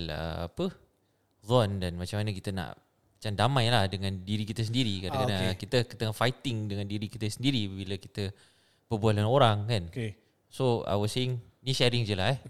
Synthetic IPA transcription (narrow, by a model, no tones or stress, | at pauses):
lə̰a̰pə | zɔndanmat͡ʃamːanəkit̪əna̰ʔ | mat͡ʃamdamãjlahdəŋãndiɾikit̪əs̬əndiɾikadakadakit̪əkət̪əŋafajt̪ɪŋdəŋãndiɾikit̪əsəndiɾibiləkit̪ə | pəbualanoɾaŋkan | soa̰jwɔseɪŋ | niʃɛɾɪŋd͡ʒəlaɛh